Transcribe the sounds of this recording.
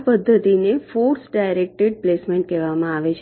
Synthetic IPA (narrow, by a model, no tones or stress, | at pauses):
pəd̪ʱːət̪inefoɾsɖajɾek̚ʈeɖ̚plesmeɳʈkɛʋamãaʋet͡ʃʰ